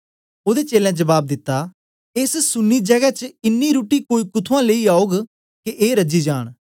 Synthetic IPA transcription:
oːd̪eːt͡ʃeːlɛ̃d͡ʒəbaːb̚d̪ɪt̪ːa | ɪssʊnːiːd͡ʒəɡɛt͡ʃɪnːiːɾuːʈiːkoːiːkʊt̪ʰʊãːleiːaːoɡ | keʔeːɾəd͡ʒiːd͡ʒaːɽ̃

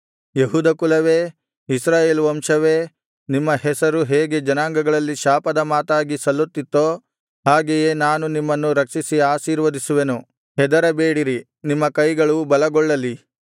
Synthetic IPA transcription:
jeɦuːd̪ɐkulɐʋeː | isɾaːjeːluʋɐmʂɐʋeː | nimːɐhɛsɐɾuɦeːɡe̞d͡ʒɐnaːŋɡɐɡɐɭɐlːiʃaːpɐd̪ɐmaːt̪aːɡisɐlːut̪ːit̪ːoː | haːɡejeːnaːnunimːɐnːuɾɐkʂisiaːʃiːɾʋɐd̪isuʋenu | ɦɛd̪ɐɾɐbeːɽiɾi | nimːɐkɐjɡɐɭubɐlɐɡɔɭːɐli

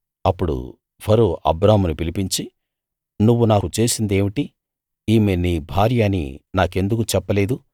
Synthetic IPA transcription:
ɐpːuɽṵ | bʰʱɐɾoːʔɐ̰bɾaːmunupilipiɲt͡ʃi | nuʋːunaːkut͡ʃe̞ːsind̪e̞ːmiʈi | iːmeniːbʱaːɾjaːnḭnaːke̞nd̪ukut͡ʃɛpːɐle̞ːd̪u

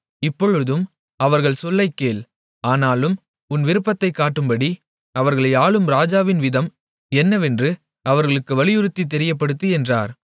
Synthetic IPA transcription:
ɪpːɔɻɯðɯm | ɐʋɐɾɣɐɭsɔlːɐɪkːeːl | aːnaːlɯm | ʊnʋɪɾɯpːɐt̪ːɐɪkːaːʈːɯmbɐɽi | ɐʋɐɾɣɐɭɐɪaːɭɯmɾaːd͡ʒaːʋɪnʋɪðɐm | ɛnːɐʋɛndrɯ | ɐʋɐɾɣɐɭɯkːɯʋɐɭɪjɯɾɯt̪ːit̪̬ːɛɾɪjɐp̬ːɐɽɯt̪ːɯɛndra̰ːɾ

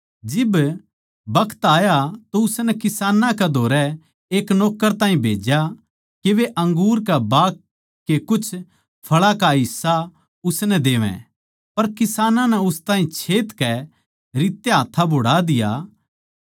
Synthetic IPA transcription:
d͡ʒɪb | bɐkʰə̥t̪aːjat̪oʊsnɛkɪsaːnãkɛd̪ʱoːɾɛ | eːknɔːkːəɾt̪ãːɦĩbʱḛːd͡ʒja | keʋeʔɐ̃ŋɡuːɾkabaːkː | ekʊt͡ʃʰ | pʰɐɭakaɦɪsːa | ʊsnɛd̪eːʋɛ̰̃ | pɐɾkɪsaːnãnɛʊst̪ãːɦĩt͡ʃʰeːt̪kɛ | ɾiːt̪ːeɦaːt̪ʰːabʱʊɽad̪ɪja̰

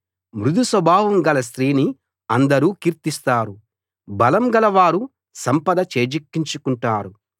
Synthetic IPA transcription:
mɾud̪ʱusʋɐbʱaːʋɐmɡɐlɐs̬t̪ɾiːni | ɐnd̪ɐɾuːkiːɾt̪ist̪aːɾu | bɐlɐmɡɐlɐʋaːɾu | sɐmpɐd̪ɐt͡ʃeːd͡ʒikːiɲt͡ʃukuɳʈaːɾu

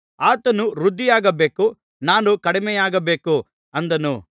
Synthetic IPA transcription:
aːt̪ɐnuɾud̪ʱːijaːɡɐbe̞ːku | naːnukɐɽimɛjaːɡɐbe̞ːku | ɐnd̪ɐnṵ

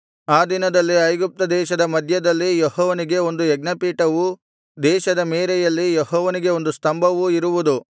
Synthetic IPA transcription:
aːd̪inɐd̪ɐlːiɐjɡup̚t̪ɐd̪ɛːʃɐd̪ɐmɐd̪ʱjɐd̪ɐlːijehɔːʋɐniɡe̞o̞nd̪uɛɡnɐpiːʈɐʋu | d̪ɛːʃɐd̪ɐmeːɾɛjɐlːijehɔːʋɐniɡe̞o̞nd̪ust̪ɐmbʱɐʋuiɾuʋud̪u

